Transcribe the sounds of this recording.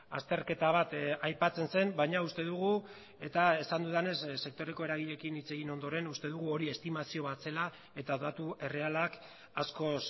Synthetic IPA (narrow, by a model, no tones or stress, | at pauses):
a̰st̪eɾke̞t̪aβ̞at̪ajpat͡se̞nse̞mbajɲaust̪e̞ðuɣ̞u | e̞t̪aesand̪uðane̞sːe̞k̚t̪o̞ɾe̞ko̞e̞ɾaɣiʎe̞kinit͡se̞ɣino̞nd̪o̞ɾe̞nust̪e̞ðuɣ̞uo̞ɾie̞st̪imasio̞βase̞la | e̞t̪aðat̪ue̞re̞alak | asko̞s